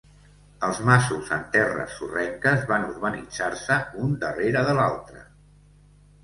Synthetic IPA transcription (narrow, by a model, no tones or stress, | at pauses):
əlˠzmasuzənt̪ɛrə̰sːurɛŋkəzβanuɾβənḭd͡zaɾsəund̪əreɾəðəla̰lˠt̪ɾə